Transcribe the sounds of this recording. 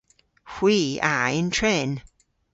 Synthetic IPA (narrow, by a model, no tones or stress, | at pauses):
hwiːaɪ̃ntʰɹɛːn